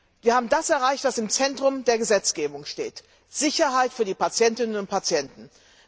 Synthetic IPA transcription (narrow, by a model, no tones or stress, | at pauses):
viːɐhaːbm̩dasɛɐʁaɪçtv̥asɪmt͡sɛntʁ̥ʊmdeːɐɡəzɛt͡sɡ̥eːbʊŋʃtḛːt | z̥ɪçɐɦaɪtfyːɐdiːpat͡sjɛntɪnənʊnt̚pʰat͡sjɛntn̩